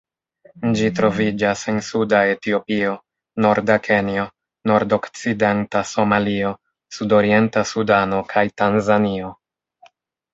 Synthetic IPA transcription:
d͡ʒitɾo̞vid͡ʒase̞nsudae̞tio̞pio̞ | no̞ɾdakʰe̞nio̞ | no̞ɾdo̞kt͡side̞ntaso̞malio̞ | sudo̞ɾie̞ntasudano̞kʰajtanzanio̞

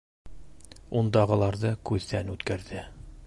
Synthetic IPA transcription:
und̪ɑʁɤ̆lˠɑɾðɤkʉðːænʉt̪kæɾðɘ

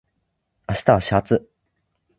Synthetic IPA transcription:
aɕi̥t̪aɕat͡sɨ

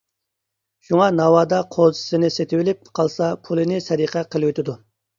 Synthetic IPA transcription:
ʃuŋɑnɑwɑːd̪ɑqʰozɨ̥sɨnɪset̪ʰɪwɪlɪp̚qʰɑlˠsɑpʰulˠɨnɪsɛɾiqʰɛqʰəlˠwot̪ʰɪd̪u

